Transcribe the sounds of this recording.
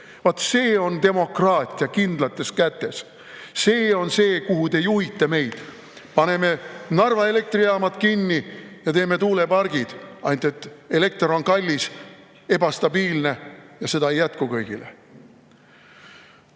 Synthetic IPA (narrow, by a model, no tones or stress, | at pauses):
vɑt̪ːse̞ːo̞nt̪e̞mo̞krɑːt̪ʲːˑiɑkind̪̥lɑt̪ːˑe̞skæt̪ːe̞s | se̞ːo̞nse̞ːkuɦut̪e̞juhit̪ːˑɑme̞jd̪̥ | pɑne̞me̞nɑrvɑe̞le̞k̚t̪riɑːmɑt̪kinːijɑt̪e̞ːme̞t̪uːlepɑrɡ̥id̪̥ɑjnt̪e̞t̪ːˑe̞le̞k̚t̪ro̞nkɑlʲːis | e̞bɑst̪ɑbiːlne̞jɑse̞d̪ɑejæt̪kukɤjɡ̥ilḛ